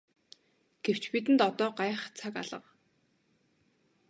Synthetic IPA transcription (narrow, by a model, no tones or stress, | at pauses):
ɡ̥ew̥t͡ɕpit̪ɘ̆nt̪ɔt̪ɔːɢaːχt͡sʰaka̰ɮə̆q